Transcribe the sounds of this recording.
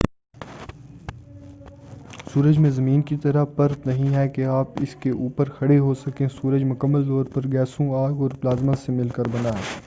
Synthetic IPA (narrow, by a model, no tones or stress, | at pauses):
suːɾəd͡ʒmẽzɐmiːnkit̪ɐɾəpɐɾt̪nɐɦĩɦɛkeaːpɪskeʔuːpəɾxʰɐɽeɦosɐkẽsuːɾəd͡ʒmʊkəmːəlt̪ɔːɾpɐɾɡɛːsõaːɡɔːɾblaːzmasemɪlkəɾbɐnaɦɛː